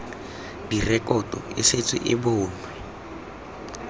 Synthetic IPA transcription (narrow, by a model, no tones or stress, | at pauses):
dirɛkʼɔtʼɔɪ̰set͡sʼɪ̰ʔɪbʊːnwɛ